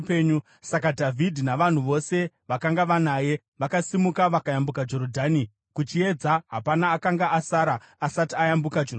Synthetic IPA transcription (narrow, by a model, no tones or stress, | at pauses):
peɲu | sak̬adʱavʱidʱinaʋan̤uʋo̞se̞ | ʋakaŋɡaʋanaːje̞ | ʋakasimukaʋakajambukad͡ʒo̞ɾodʱani | kut͡ʃie̞d͡zaɦapanaːkaŋɡaʔasaːɾaː | satiajambukad͡ʒor